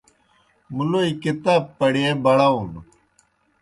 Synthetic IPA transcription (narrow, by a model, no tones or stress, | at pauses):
muloːikɪt̪aːb̚pːəɽiẽːbɐɽaːun